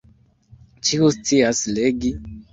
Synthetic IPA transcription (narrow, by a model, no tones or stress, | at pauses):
t͡ʃikustʰiasleɡi